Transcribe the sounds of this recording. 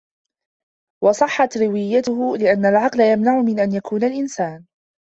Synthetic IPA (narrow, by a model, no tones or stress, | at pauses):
wɑsˤɑħːɑt̪ɾɪwɪjːat̪ʊhʊlɪʔanːalʕɑqlajamnaʕʊmɪnʔanjakʰuːnalʔɪnsaːn